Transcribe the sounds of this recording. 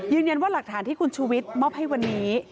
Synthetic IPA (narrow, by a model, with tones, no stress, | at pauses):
jɯː˧nja˧nwaː˥˩la˨˩k̚t̪ʰaː˩˦nt̪ʰiː˥˩kʰu˧nt͡ɕʰuː˧wi˦˥t̪̚mɔː˥˩p̚ha˥˩jwa˧nːiː˦˥